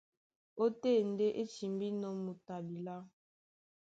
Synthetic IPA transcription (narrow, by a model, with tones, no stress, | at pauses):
o˦te˦˨n̩˨de˦ʔe˦t͡ʃi˨mbi˦nɔ˦mu˨ta˨bi˨la˦